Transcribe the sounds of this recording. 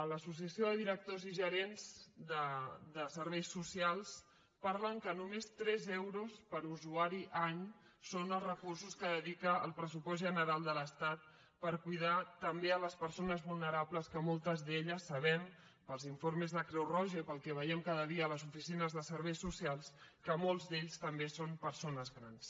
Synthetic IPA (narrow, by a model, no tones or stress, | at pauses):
ələsus̬iəsioðəðiɾək̚t̪oziʒəɾenzd̪əd̪əsəɾβɛjsːusialˠs | paɾləŋkənumest̪ɾɛzɛwɾuspəɾuzuaɾiʔaɲ | sonəlˠzrəkursuskəðəðikə̰ːlˠpɾəsupɔzʒənəɾalˠd̪ələst̪at̪̚ | pəɾkujð̞at̪əmbeələspəɾsonəzβulˠnəɾapləskəmolˠt̪əzðeʎəsːəβ̞ɛm | pəlˠziɱfoɾməzðəkɾɛwrɔʒəpəlˠkɛβ̞əjɛmkaðəðiəːləzufisinəzðəsəɾβɛjsːusialˠskəmolˠzðeʎst̪əmbesompəɾsonəzɣɾans